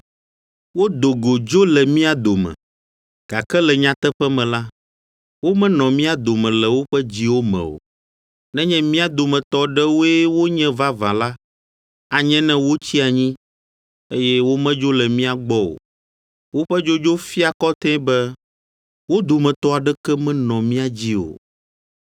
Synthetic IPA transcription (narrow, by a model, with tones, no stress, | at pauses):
wo˦d̪o˨ɡo˨d͡ʒo˦lɛ˨mĩ˦a˨d̪o˨mɛ̰̃˨ | ɡ̥a˨kɛ˦lɛ˨ɲã˦t̪ɛ˦ɸɛ˦mɛ̃˨la˦ | wo˦mɛ̃˦nɔ̃˨mĩ˦a˨d̪o˨mɛ̃˨lɛ˨wo˦ɸɛ˦d͡ʑi˦wo˦mɛ̰̃˨o̰˨ | nɛ̃˦ɲɛ̃˦mĩ˦a˨d̪o˨mɛ̃˨t̪ɔ˦ɖɛ˦wo˦ɛ˦wo˦ɲɛ̃˦va˦vã˨la˦ | a˨ɲɛ̃˦nɛ̃˦wo˦t͡ɕi˦a˨ɲĩ˦ | e˦jɛ˦wo˦mɛ̃˦d͡ʒo˦lɛ˨mĩ˦a˨ɡ͡bɔ˦o̰˨ | wo˦ɸɛ˦d͡ʒo˦d͡ʒo˦fi˦a˨kɔ˦t̪ɛ̃˦bɛ˦ | wo˦d̪o˨mɛ̃˨t̪ɔ˦a˨ɖɛ˦kɛ˦mɛ̃˦nɔ̃˨mĩ˦a˦d͡ʑi˦o̰˨